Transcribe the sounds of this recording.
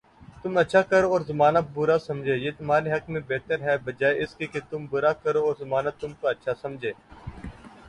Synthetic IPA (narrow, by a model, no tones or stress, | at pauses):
t̪ʊmətːʃʰaːkəɾoːɔːɾzɐmaːnabʊɾasɐmd͡ʒʱeːjeːt̪ʊmɦaːɾeɦɐkmẽbeɦt̪əɾɦɛːbəd͡ʒaːeɪskeket̪ʊmbʊɾakəɾoːɔːɾzɐmaːnat̪ʊmkoətːʃʰasɐmd͡ʒʱeː